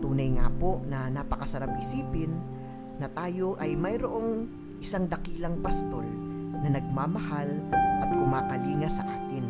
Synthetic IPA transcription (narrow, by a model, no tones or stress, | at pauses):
t̪uːnɐjŋa̰ːpo̞ʔnɐnaːpɐkɐsɐɾapʔɪsiːpɪnː | ɐt̪aːjo̞ʔɐjmɐjɾoʔo̞ŋ | ʔɪsaŋd̪ɐkiːlɐŋpɐst̪o̞lnɐnɐɡ̚maːmɐhalʔɐt̪̚hʊmaːkɐliːŋɐsɐ̰ʔaːt̪ɪn